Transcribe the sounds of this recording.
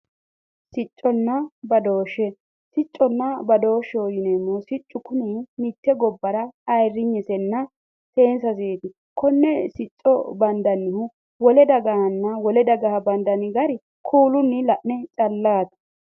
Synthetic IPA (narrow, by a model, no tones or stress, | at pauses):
sɪt͡ʃʼːɔnːɐbɐd̪oːʃːɛ | sɪt͡ʃʼːɔnːɐbɐd̪o̞ːʃːɛɔjɪnɛmːosɪt͡ʃʼːʊkʊninɪt̪ːɛɡɔbːɐɾɐɐjrːɪɲːɛsɛnːɐ | seːnsɐs̬eːt̪ɪ | kʰɔnːɛsɪt͡ʃʼːɔ̰bɐnd̪ɐnːɪhʊ | wɔlɛd̪ɐɡɐhɐnːɐwɔlɛd̪ɐɡɐhɐbɐnd̪ɐnɪɡɐɾɪ | kʰuːlʊnːɪlɐʔnɛt͡ʃʼɐlːaːt̪ɐ̥